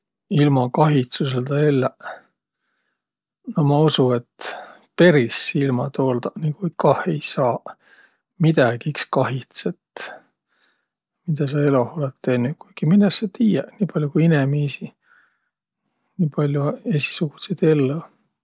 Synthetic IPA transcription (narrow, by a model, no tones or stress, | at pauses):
ilmɑkɑɦit̪sus̬eld̪ɑelːɑ | nomɑusuet̪ | pe̞ɾisilmɑt̪oːld̪ɑnikujkɑhe̞jsɑː | mid̪̥ɑɡ̥iikskɑɦit̪set̪ | mid̪̥ɑs̬ɑe̞loholet̪ːenːukujɡ̥imilːeset̪iːjeniːpɑlʲjukujinemiːsi | niːpɑlʲjue̞si̥suɡ̥used̪elːo